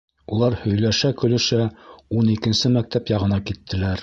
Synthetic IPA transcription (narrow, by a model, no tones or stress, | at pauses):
ulˠɑɾhɵ̆jlæʃækɵ̆lɵ̆ʃæunikɘ̆nsɘmæk̚t̪æpjɑʁɤ̆nɑkit̪ʰːɘ̆læɾ